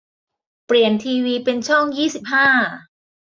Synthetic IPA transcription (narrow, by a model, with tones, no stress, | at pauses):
pɾi˨˩ənt̪ʰiː˧wiː˧pe˧nt͡ɕʰɔ˥˩ŋjiː˥˩si˨˩p̚ɦaː˥˩